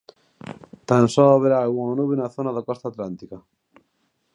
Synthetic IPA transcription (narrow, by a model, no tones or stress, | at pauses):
t̪ansɔaβeɾaːɣuŋanuβenaθonaðakɔst̪at̪lant̪ika